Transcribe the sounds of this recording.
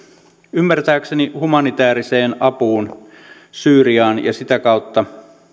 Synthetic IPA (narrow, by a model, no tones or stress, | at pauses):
ymːært̪æːksenihumɑnit̪æːɾiseːnɑpuːn | syːɾiɑːnjɑ̰sit̪ækɑwt̪ːɑ